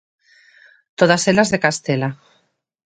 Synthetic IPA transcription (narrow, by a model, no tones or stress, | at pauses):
t̪oð̞aselazðekast̪ela